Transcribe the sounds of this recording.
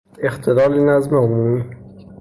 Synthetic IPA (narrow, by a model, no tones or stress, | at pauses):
ext̪ʰelɒːlinæzmeomuːmiː